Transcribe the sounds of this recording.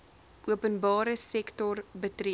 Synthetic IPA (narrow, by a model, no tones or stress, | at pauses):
ʔuəpənbɑːɾəsɛktɔrbətr